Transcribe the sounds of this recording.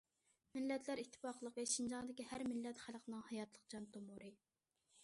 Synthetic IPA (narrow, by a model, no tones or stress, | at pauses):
mɪlːɛt̪ʰlæɾit̪ʰːɪ̥pɑqəlˠəqəʃind͡ʒɑŋd̪ɪkʲihæɾmɪlːɛt̪χælqʰənɨŋhɑjɑt̪lˠəq̚d͡ʒɑnt̪ʰomuɾɨ